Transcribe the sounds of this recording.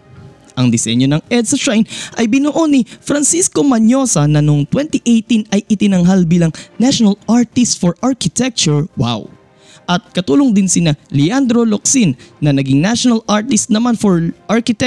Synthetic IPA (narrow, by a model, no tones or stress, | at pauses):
ʔɐŋd̪ɪsɛ̰ɲjo̞nɐŋɛd̪̚sɐʃajnʔɐjbɪnoʔo̞nifɾɐnsisko̞mɐɲo̞sɐnɐnoŋt̪wɛnt̪ɪʔejt̪inɐjʔɪt̪ɪnɐŋɦalbiːlɐŋnaʃonɐlʔaɹt̪ɪst̪foɹʔaɹkɪt̪ɛk̚t͡ʃʊɹwa̰w | ʔɐt̪̚kɐt̪uːloŋd̪ɪnsɪnalɪand̪ɾolok̚sinːɐnɐɡiŋnaʃonɐlʔaɹt̪ɪst̪̚nɐmanfoɹʔaɹkɪt̪ɛ